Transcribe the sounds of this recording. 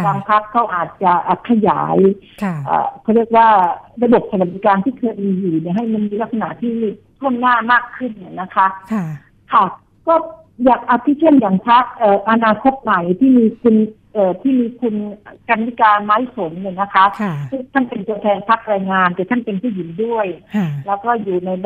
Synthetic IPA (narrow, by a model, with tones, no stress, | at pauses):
kaː˧ŋpʰa˦˥kʰːa˦˥˩wʔaː˨˩t̪̚t͡ɕa˨˩ʔaː˨˩kʰa˧ja̰ː˩˦jʰ | ʔə̰ː˨˩kʰɔː˧˩ɾi˥˩ək̚waː˥˩ɾa˧bo˨˩p̚sa˧a˨˩d̪i˦˥kaː˧nt̪ʰiː˥˩kʰɤː˧jʔiː˧juː˨˩ni˧˥˩ɦa˥˩jma˧nmiː˧la˦˥k̚sa˧na̰˨t̪ʰiː˥˩˥t̪ʰu˥˩ənːaː˥˩maː˥˩kʰːɯ˥˩nːi˧˩na˦˥kʰa˦˥ | kʰa˥˩ | kɔː˥˩ | jaː˨˩k̚ʔa˧˩p̪ʰːiː˦˥˩t͡ɕʰe˥˩njaː˨˩ŋpʰa˦˥k̚ʔɤː˨˩ʔa˧naː˧kʰo˦˥t̪̚ma˨˩jt̪ʰiː˥˩miː˧kʰu˧n | ʔəː˨˩t̪ʰiː˥˩miː˧kʰu˧n˨˩ka˧nt̪i˦˥kaː˧maː˦˥jso˨˩˦nna˧˩na˦˥kʰa˦˥sɯ˥˩t̪ʰa˥˩npe˧nt̪u˧ət̪ʰɛː˧npʰa˦˥k̚ɾaː˧jŋaː˧nt̪ɛː˨˩t̪ʰa˥˩npe˧npʰuː˥˩ji˩˦ndu˥˩əjlɛː˦˥wkɔː˥˩juː˨˩na˧j